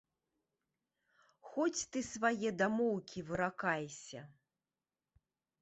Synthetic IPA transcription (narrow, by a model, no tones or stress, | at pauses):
xɔt͡sʲt̪ɨsvajɛd̪amɔwkʲivɨɾakajsʲɐ